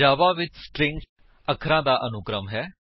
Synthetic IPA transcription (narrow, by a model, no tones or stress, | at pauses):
aːʋãːʋɪt͡ʃsʈɾɪ̃ŋk | əkʰɾãːd̪aːʔənʊkɾəmɦɛː